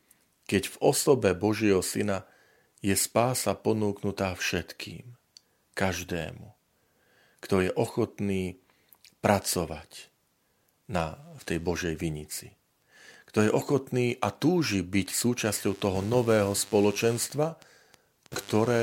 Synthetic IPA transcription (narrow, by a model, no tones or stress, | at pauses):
kɛɟvɔsɔbɛbɔʒɪɛɦɔsina | jɛspaːsapɔnuːknut̪aːfʃɛt̪kʰḭːm | kaʒd̪ɛ̰ːmu | kt̪ɔjɛʔɔxɔt̪niː | pɾat͡sɔʋa̰c | naft̪ɛjbɔʒɛjʋiɲit͡si | kt̪ɔjɛʔɔxɔt̪niːʔat̪uːʒibicsuːt͡ʃascɔʊt̪ɔɦɔnɔʋɛːɦɔspɔlɔt͡ʃɛnst̪ʋa | kt̪ɔɾɛː